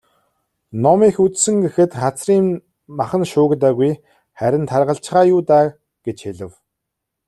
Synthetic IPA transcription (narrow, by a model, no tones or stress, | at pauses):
nɔmiːxut͡ssɘ̆ŋɡexɘ̆t̪χat͡sriːm | maχə̆nʃʊːkt̪æːɣuj | χæɾʲɪ̆nt̪ʰarʁə̆ɬt͡ɕχaːjuːt̪aː | ɡ̥et͡ɕxeɮɘ̆w